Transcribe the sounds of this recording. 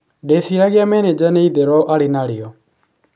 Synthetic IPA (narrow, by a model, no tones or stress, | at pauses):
ɖeːsiɾaɡɪjamɛːned͡ʒɛneid̪eɾɔːʔaɽinaːɽijo